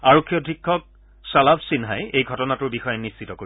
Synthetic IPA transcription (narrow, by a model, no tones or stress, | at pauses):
aɹokʰːijɔdʱikʰːɔk̚ | salabsinɦajejɡʱɔtɔnatʊɹbixɔjenissitɔkoɹi